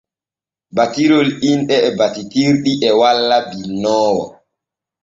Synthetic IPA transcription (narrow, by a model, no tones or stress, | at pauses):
batiɾolinɗɛɛbatitiɾɗiʔɛwalːabinːɔːwɔ̰